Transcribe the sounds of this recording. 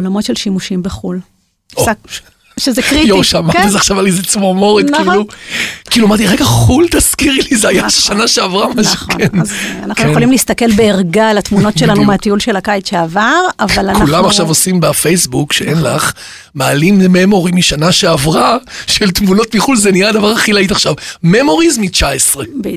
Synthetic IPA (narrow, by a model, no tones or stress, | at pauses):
olamo̞tʃelʃimuʃimbeχul | ʃezekʁijoʁʃmat̪izaχʃavalizet͡smomo̞ʁet̪kiilukiːluamaʁt̪iʁeɡaχult̪askiʁilizeajaʃeʃanaʃeavʁamanʃuχkenza̰naχnujeχolimliist̪ɐke̞lbeeʁɡalat̪muno̞tʃelanumeat̪iulʃe̞lakajetʃeavaʁavalakulamaχʃavosimbafejsbukʃeʔenlaχ | maːlimememo̞ʁimiʃanaʃeavʁaʃelt̪muno̞t̪miχulzeniaːd̪avaʁaχilait̪aχʃavmemo̞ʁizmit͡ʃaesʁeb